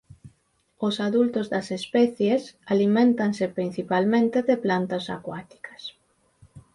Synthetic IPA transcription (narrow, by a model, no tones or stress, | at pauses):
ʊsaðult̪ʊzðɐsespɛθjesalimẽnt̪aŋsepɾin̟θipalmẽnt̪eðeplant̪ɐsa̰kwat̪i̥kʰɐ̥s